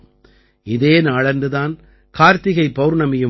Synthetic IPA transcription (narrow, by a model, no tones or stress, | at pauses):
ɪðeːnaːɭɐndɯðaːn | kaːɾt̪ɪɣɐɪpːɐːɾnɐmɪjɯ